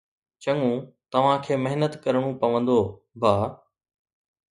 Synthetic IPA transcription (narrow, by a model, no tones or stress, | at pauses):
t͡ɕɐŋũt̪ɐʋ̤ãkʰeːmɐɦnət̪kɐɾɽ̃ũpɐʋə̃nd̪oː | bʱaː